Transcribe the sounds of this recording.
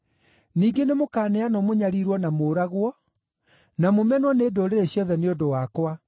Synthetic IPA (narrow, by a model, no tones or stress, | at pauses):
niːɡenemokaːnɛanɔmoɲaɾiɾwɔnamoːɾaɣwɔ | namomɛnwɔneːdoɾeɾeɕjɔðɛneodowakwa